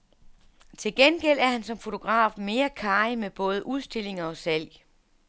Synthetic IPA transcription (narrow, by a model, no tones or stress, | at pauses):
t͡sʰe̝lɡ̥enɡ̥el̰æɐhænsɒ̽mfo̝t͡sʰo̝ɡ̥ʁɑ̰̈ːfme̝ːɐkʰɑ̈ːɪmeb̥ɔ̽ːð̞ˠəʔuð̞ˠsd̥e̝le̝ŋɐɒ̽sæl̰j